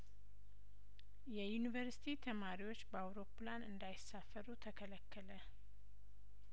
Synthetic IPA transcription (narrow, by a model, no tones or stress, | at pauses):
jɛjunivəɾsi̥t̪ʰit̪ʰəmaɾiwo̞t͡ʃːbəawɾo̞planɨnd̪ajɪsːafːəɾut̪ʰəkʰələkʰːələ